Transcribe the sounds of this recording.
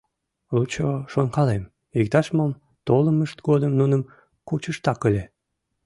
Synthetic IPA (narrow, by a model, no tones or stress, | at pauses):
lut͡ɕoʃonkɑlem | ik̚t̪ɑʃmɑm | t̪oləməʃt̪ɡod̪əmnunəm | kut͡ɕəʃt̪ɑkəlʲe